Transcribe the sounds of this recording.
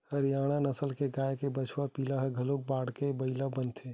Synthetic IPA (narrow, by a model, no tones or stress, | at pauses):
həɾjaːɽ̃anəsəlkeɡaːjekebət͡ʃʰwapilaɦəɡʱəlok̚baːɽkebəɪlabənt̪ʰeː